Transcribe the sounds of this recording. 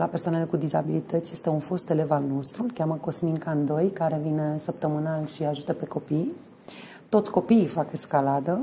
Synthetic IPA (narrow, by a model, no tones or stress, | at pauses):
lapersoanelekud̪iza̰bilit̪ət̪sje̞st̪e̞unfo̞st̪e̞le̞valno̞st̪ɾulkʲaməko̞smiŋkand̪o̞jkaɾe̞vine̞səp̚t̪əmɨnalʃiaʒut̪əpe̞ko̞pij | t̪o̞t̪sʲko̞piːfakeskalad̪ə